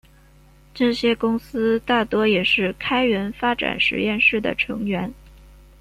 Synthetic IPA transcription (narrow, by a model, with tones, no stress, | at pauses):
ʈ͡ʂɤ˥˩ɕjɛ˥kʊ˥ŋsɹ̩˥t̪a˥˩t̪wɔ˥jɛ˨˩ʂɻ̩˥˩kʰa˥ɪɥɛ˧˥nfa˥ʈ͡ʂa̰˨˩nʂɻ̩̰˧˥jɛ˥˧nʂɻ̩˥˩d̪ə̰˩ʈ͡ʂʰɤ̰˧˥ŋɥɛ˧˥n